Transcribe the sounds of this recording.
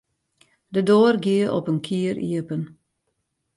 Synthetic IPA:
dədoːrɡiəʔɔ̰pənkʰiəɾʔḭəpən

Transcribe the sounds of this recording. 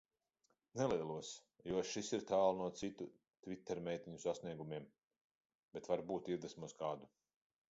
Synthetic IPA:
nɛlˠiɛlˠuɔs | juɔʃisiɾt̪aːlˠnuɔt̪sit̪u | t̪vʲit̪ːɛɾmʲɛjt̪ʲiɲusasniɛɡumʲiɛm | b̥ɛt̪vaɾbuːt̪iɾd̪ɛsmuskaːd̪u

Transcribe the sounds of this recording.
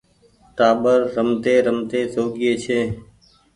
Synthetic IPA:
ʈaːɓəɾːəmt̪eːɾəmt̪eːsoːɡɪeːt͡ʃʰeː

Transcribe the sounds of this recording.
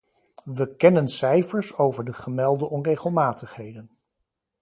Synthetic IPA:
ʋəkɛnənsɛjfəɹsowvəɹdəχəmɛlˠdəʔɔnrejχəlˠmaːtəχɦejdən

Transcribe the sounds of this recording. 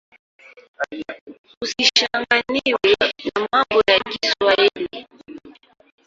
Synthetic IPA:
usiʃaŋɡaniwɛnamambɔjakiswahili

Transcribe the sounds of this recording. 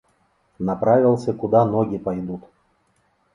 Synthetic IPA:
nɐpɾavʲɪlˠsʲəkʊd̪anɔɡʲipɐjd̪ut̪

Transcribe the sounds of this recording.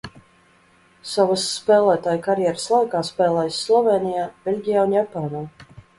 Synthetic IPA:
savasːpɛːlˠæːt̪aːjkaɾjɛɾəslˠajkaːspɛːlˠɛjsːlˠɔvɛːnijaːb̥ʲelʲɡʲijaːunjapaːnaː

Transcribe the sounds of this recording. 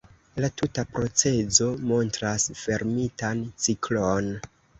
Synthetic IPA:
latutapɾo̞t͡se̞zo̞mo̞ntɾasfe̞ɾmitant͡siklon

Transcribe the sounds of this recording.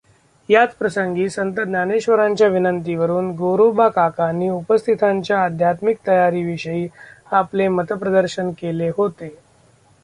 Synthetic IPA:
jat͡spɾəsəŋɡiːsənt̪ət̪naneɕʋəɾaɲt͡ɕjaʋinənt̪iʋəɾuːnɡoɾobakakanːiːupəst̪ʰit̪ʰaɲt͡ɕjaːd̪ʱjat̪mik̚t̪əjaɾiːʋiɕəiːaplemət̪əpɾəd̪əɾɕənkeleɦot̪e

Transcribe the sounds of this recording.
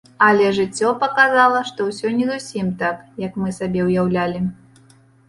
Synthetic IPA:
ɐlʲɛʐɨt͡sʲːɔpɐkazalˠɐʂt̪ɔwsʲɔnʲɛzusʲimt̪akjɐkmɨsabʲɛwjawlʲalʲi

